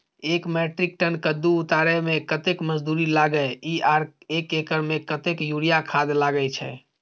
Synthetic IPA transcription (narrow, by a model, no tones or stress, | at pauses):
ekmɛʈɾik̚ʈənkəd̪ːuːt̪aɾɛmẽkət̪ekməd͡ʒd̪uɾilaɡəjiaɾekekəɾmekət̪ekjuɾijakʰad̪laɡət͡ʃʰɛ̰